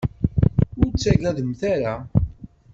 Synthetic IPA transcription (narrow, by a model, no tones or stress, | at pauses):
ʊɾt͡sːæʝæðəmθaɾa